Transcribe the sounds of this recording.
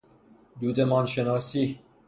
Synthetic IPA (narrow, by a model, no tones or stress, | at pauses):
d̪uːd̪emɒːnʃenɒːsi